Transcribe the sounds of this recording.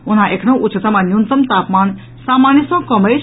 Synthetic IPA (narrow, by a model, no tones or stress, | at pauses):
unãʔekʰnõʔut͡ʃʰət̪əmãnjunt̪əmt̪aːpmaːn | saːmaːnjisɔ̃ːkəməj